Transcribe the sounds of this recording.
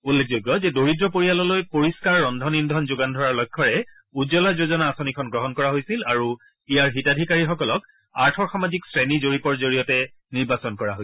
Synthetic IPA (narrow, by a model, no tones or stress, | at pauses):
ulːek̚ʰzojɡːɔzɛdoɹidɹɔpoɹijalɔlojpoɹiskaɹːɔndʱɔnindʱɔnzʊɡandʱɔɹaɹlɔjkʰːɔɹɛ | uzɔlazozɔnaːsonikʰɔnɡɹɔɦɔnkɔɹaɦojsilaɹu | ijaɹɦitadʱikaɹixɔkɔlɔk | aɹtʰɔɹxamaziksɹɛnizoɹipɔɹzoɹijɔtɛ | niɹbasɔnkɔɹaɦoj